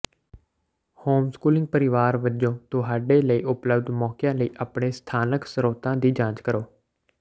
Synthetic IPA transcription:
hoːmskuːlɪ̃ŋɡ̚pəɾɪʋaːɾʋəd͡ʒõːt̪õːɦaːɖeːləiːʔʊpləbd̪mɔːkjãːləiːʔəpɳeːst̪ʰaːnəksəɾoːt̪ãːd̪iːd͡ʒãːt͡ʃkəɾoː

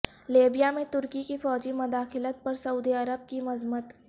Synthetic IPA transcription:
leːbijamẽt̪ʊɾkikifɔːd͡ʒimʊd̪aːxɪlət̪̚pɐɾsɐuːd̪iɐɾəb̚kimɐzmət̪

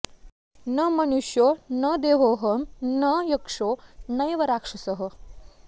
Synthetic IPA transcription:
nɐmɐnuʂjonɐd̪eːʋoːɦɐmnɐjɐkʂonɐjʋɐɾaːkʂɐsɐɦə

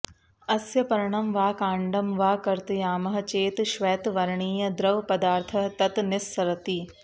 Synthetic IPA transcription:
ɐsjɐpɐɾɐɳɐmʋaːkaːɳɖɐmʋaːkɐɾt̪jaːmɐɦɐ̆t͡ʃeːt̪ʃʋɛːt̪ʋɐɾɳiːjɐd̪ɾɐʋpɐd̪aːɾt̪ʰɐɦt̪ɐt̪nɪsːɐɾɐt̪iː

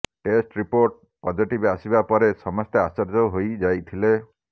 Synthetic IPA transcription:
ʈesʈɾipoɾʈ̚ | pɔd͡ʒiʈibasibapɔɾesɔmɔst̪easɔɾd͡ʒɔɦojd͡ʒajt̪ʰile

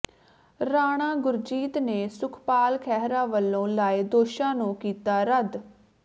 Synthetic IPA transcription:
ɾaːɽ̃ãːɡʊɾd͡ʒiːt̪neːsʊkʰpaːlkʰɛːɦɾãːʋəlːõːlaːed̪oːʃãːnũːkiːt̪aːɾəd̪

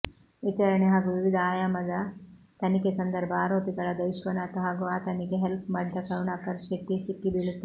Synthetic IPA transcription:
ʋit͡ʃɐɾɐɳeɦaːɡuʋiʋid̪ʱaːjaːmɐd̪ɐt̪ɐnikesɐnd̪ɐɾbʱɐaːɾoːpiɡɐɭɐd̪ɐʋʃʋɐnaːt̪uɦaːɡuaːt̪ɐniɡeɦelpmaːɽid̪ɐkɐɾuɳaːkɐɾʃeʈːisikːibiɭut̪ːe

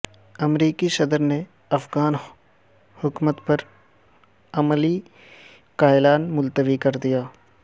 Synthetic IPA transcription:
ɐmɾiːkisɐd̪əɾne | ɐfɡaːn | hʊkmət̪pɐɾ | ɐməli | kaːɪlaːnmʊlt̪əʋikɐɾd̪ijaː

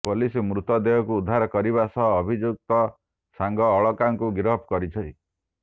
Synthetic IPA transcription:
polisimɾut̪ɔd̪eɦɔkuːd̪ʱːaɾɔkɔɾiβasɔɦɔːbʱid͡ʒuk̚t̪ɔ | saŋɡɔːɭɔkaŋkuɡɾɔpkɔɾit͡ʃʰɔj

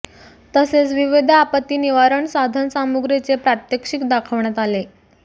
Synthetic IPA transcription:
t̪əset͡sʋiʋid̪ʱːpət̪ːiːniʋaɾəɳsad̪ʱənsamuɡɾet͡sepɾat̪jəkʂikd̪akʰəʋɳjat̪ale

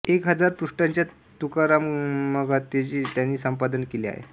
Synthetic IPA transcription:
ekɦəd͡zaɾpɾuʂʈaɲt͡ɕja | t̪ukaɾamməɡat̪ːet͡ɕiːt̪janːiːsəmpad̪ənkelia̰ɦḛ

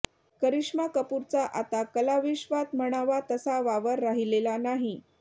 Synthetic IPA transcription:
kəɾiʂmakəpuɾt͡saʔat̪akəlaʋiɕʋat̪məɽ̃aʋat̪əsaʋaʋəɾːaɦilelanaɦi

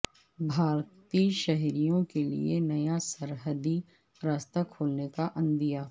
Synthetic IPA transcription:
bʱaːɾt̪iʃɐɦɾijõkelḭḛnɐjasɐɾɦəd̪i | ɾaːst̪akʰoːlnekaʔɐ̃nd̪ijaː

